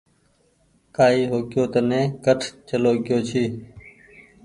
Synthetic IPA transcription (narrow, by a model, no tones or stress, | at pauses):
kaːiːɦoːkjoːt̪ənẽːkəʈʰt͡ʃəloːɡɪjoːt͡ʃʰiː